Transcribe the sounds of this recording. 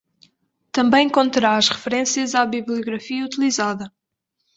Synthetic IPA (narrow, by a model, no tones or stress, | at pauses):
t̪ɐ̃mbɐ̃j̃kõnt̪ɨɾaɐʃʁɨfɨɾẽsjɐzaβiβlˠijuɣɾɐfiɐut̪ilˠizaðɐ